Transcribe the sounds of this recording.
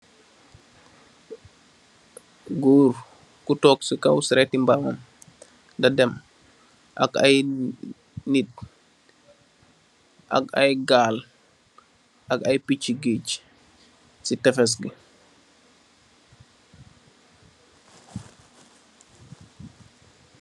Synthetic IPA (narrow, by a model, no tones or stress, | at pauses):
ɡuːɾ | kutɔːksikawsiɾetimbamam | ndɐdɛm | ʔa̰kaj | nit̚ | ʔa̰kajɡaːl | ʔakajpit͡ʃːiɡiːc | sitɛfɛs̬ɡi